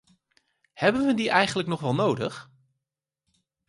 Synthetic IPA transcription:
hɛbənʋədiʔɛjχənləknɔχʋɛlˠnowdə̰χ

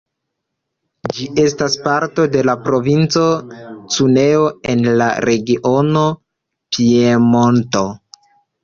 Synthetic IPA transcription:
d͡ʒiʔe̞staspaɾto̞de̞lapɾo̞vint͡so̞t͡sune̞o̞e̞nla̰ɾe̞ɡiʔo̞no̞ | pʰiemonto̞

